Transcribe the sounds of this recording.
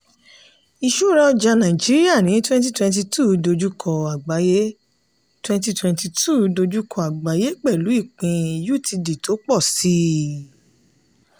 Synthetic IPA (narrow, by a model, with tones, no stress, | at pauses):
i˧ʃu˦ɾa˧ɔ˧d͡ʒa˧nã˨i˨d͡ʒi˨˦ɾi˦a˦˨nĩ˨˦twɛ̃˦nt̬i˦twɛ̃˧nt̬i˧tʰu˦˨do˧d͡ʒu˦kʰɔ˨a˨ɡ͡ba˨˦je˦ | twɛ̃˦nti˧twɛ̃˧nti˧tʰu˦do˧d͡ʒu˦kʰɔ˧˨a˨ɡ͡ba˨˦je˦k͡pɛ˦˨lu˨˦i˦˨k͡pĩ˧ju˦˨tʰi˧di˨to˨˦k͡pɔ˦˨si˦